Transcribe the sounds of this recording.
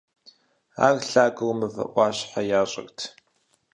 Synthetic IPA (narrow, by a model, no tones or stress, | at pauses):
a̰ːɣɬaːɡɨwmɨvɐ̰ʔʷʼɑːɕħajaːɕʼɐ̰ɣtʰ